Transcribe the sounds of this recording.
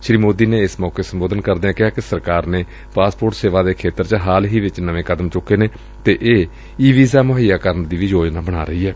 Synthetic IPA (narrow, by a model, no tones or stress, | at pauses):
ʃɾiːmoːd̪iːneːɪsmɔːkeːsəmboːd̪ənkəɾd̪eɛ̃ːkɪɦaːkɪsəɾkaːɾneː | paːspoːɾʈseːʋaːd̪eːkʰeːt̪əɾt͡ʃəɦaːlɦiːʋɪt͡ʃnəʋẽːkəd̪əmt͡ʃʊkːeːneː | t̪eːʔeː | iːʋiːzaːmʊɦijaːkəɾənd̪iːʋiːd͡ʒoːd͡ʒnaːbəɽ̃a̰ːɾəɦiːɛː